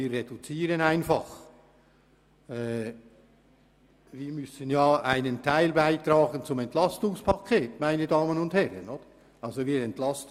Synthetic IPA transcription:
iːedut͡siːɾənaɪnfɑχ | ɛː | viːɾmʏsənjaːa̰ɪnəntʰaɪlbaɪtɾɑːɡənt͡sʊmɛntlɑstʊŋspʰɑkʰeːtmaɪnədɑːmənʊndhɛɾə̰nod̥ə | ʔɑlzoviːɾɛntlɑst

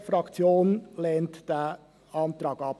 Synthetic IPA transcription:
fɾɑkt͡sjoːnlɛːntd̥ɛ | ɑnt̪ɾɑːɡɑp̚

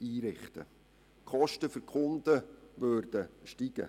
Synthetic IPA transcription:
iːɾɪχtə̰ | kʰɔʃtəfʏɾkʰʊnd̪̥əʋørd̥əʃtiɡ̥ə̰

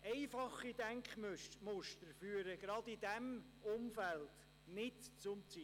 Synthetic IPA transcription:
ɛɪfɑχidæŋkχmømʊʃtəɾfyːəɾəɡ̥ɾɑdid̥ɛm | ʊmfælt | nɪtt͡sʊmt͡si

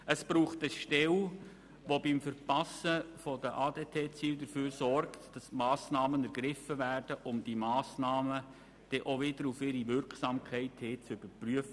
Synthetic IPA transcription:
əsb̥ɾuːχtəʃtɛl | ʋobɪmfəɾpɑsəfɔdəʔɑːdeːtʰeːt͡siːldəɾfyːɾsɔrktd̥ɑsmɑːsnɑːmənæɾɡ̥ɾɪfəvæːrd̥əʔʊmd̥imɑːsnɑːmə | d̥ɛʔoʋɪdəɾufɪɾiʋʏɾksɑːmkʰɛɪtheːt͡sʏb̥əɾpryəfə

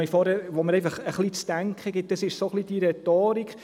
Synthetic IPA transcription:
ifɔɾæɾʋoməɾɛɪfɑχəχlit͡stæŋkχəɡɪt̚d̥əsɪʃsoχlid̥iɾɛtoːɾikχ

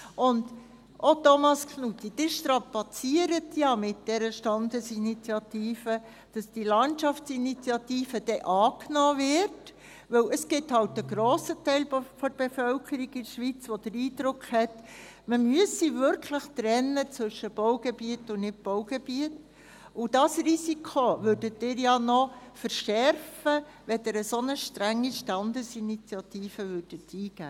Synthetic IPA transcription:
ʔʊnd | ʔotomɑskχnut̪id̥ɪʃtɾɑpɑt͡siəɾətjɑmɪt̚d̥ɛɾəʃtɑnd̪əsinit͡sjɑtiːfə | d̥ɑsd̥ilɑntʃɑft͡sinit͡siɑtiːfəd̥ɛʔɑːknɔːvɪt | ʋɵwəsɡ̥ɪthɑltəɡɾoːsətɛɪlfɔɾb̥efœlkʰəɾikɪdʃʋit͡sʋod̥̪əɾiːd̥ɾʊkχhɛt | məmyəsiʋʏɾkʰləχt̪ɾɛnːət͡sʋʏʃəb̥owɡ̥ebiətːʊnɪt̚b̥ɔʊɡebiət | ʊd̥ɑsrisikʰoʋøɾdətːɪːɾjɑnɔfəɾʃɛɾfə | ʋɛd̪əɾəsonəʃtɾæŋːiʃtɑndəsinit͡sijɑtiːfəʋørd̥ətiːɡ̥æ̰ː

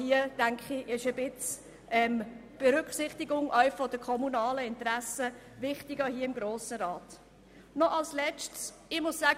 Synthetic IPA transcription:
hiəd̥æŋkχiʔɪʃəbɪt͡s | ʔɛmb̥ɛɾʏkχsɪχtɪɡʊŋʔœʏfɔdəkʰɔmunɑːləɪntɾæsə | vɪχtɪɡəhiəɪmɡɾoːsəɾɑːt | nɔʔɑlslɛt͡ʃts | ɪmʊsːæː

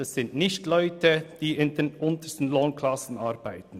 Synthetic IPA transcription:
ɑsːɪntnɪçtlɔʏtəd̥iːɪndeːnʔʊntəstn̩loːnkʰlɑsn̩ɑɾbaɪtn̩

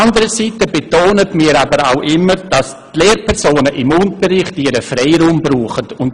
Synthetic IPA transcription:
andəɾəsitəbetoːnətmiːɾabəɾa̰ʊʔɪmːəɾd̥ɑs | tleːɾpʰɛɾsoːnəʔɪmʊntəɾɪχtiɾəfrɛɪɾuːmbɾuːχətʊnt

